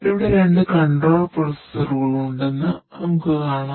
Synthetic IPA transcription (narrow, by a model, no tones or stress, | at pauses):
iʋiɽeɾe̞ɳɖɨkɐɳɖoːɭporɐsɐruːɣɐɭuɳɖenːɨnɐmukːɨkaːɳɐ